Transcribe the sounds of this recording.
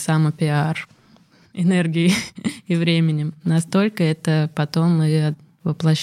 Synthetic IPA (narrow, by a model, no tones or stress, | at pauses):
samɨpʲɪar | ɪnerɡʲɪɪɪvɾʲemʲɪnʲɪmnɐst̪o̞lʲkəɛt̪əpɐt̪o̞mɨɐ | vəplˠɐɕː